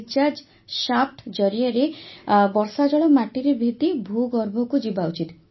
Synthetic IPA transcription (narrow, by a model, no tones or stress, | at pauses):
t͡ʃad͡ʒ | ʃap̚ʈd͡ʒɔɾieɾebɔɾsad͡ʒɔɭɔmaʈiɾebʱit̪ibʱuɡɔɾbʱɔkud͡ʒibaut͡ʃit̪